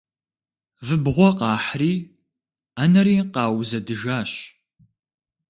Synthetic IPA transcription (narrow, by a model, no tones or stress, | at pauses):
vɨbʁʷɔqɑːħriː | anɐɾiːqɑːwzɐdɨʒaːɕ